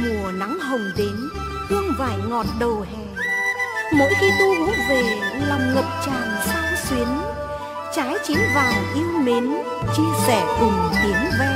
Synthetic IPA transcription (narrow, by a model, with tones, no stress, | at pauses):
mu˨˩əna˨˦ŋɦə˨˩wŋ͡mɗe˨˦n | t͡ɕɔ˧wŋ͡mvaː˧˩jŋɔ˨˩t̚ɗə˨˩hɛ˨˩ | mo̰˧˥jxi˧t̪u˧ɓɨ˨˦˥t̚ve˨˩laː˨˩mŋə˨˩p̚t͡ɕaː˨˩ŋsa̰ː˧˨˥nswi˨˦ən | t͡ɕaː˨˦jt͡ɕi˨˦wvaː˨˩wʔi˧əwme˨˦n | t͡ɕi˧əsɛ˧˩vʊ˨˩ŋ͡mt̪i˨˦ənvɛ˧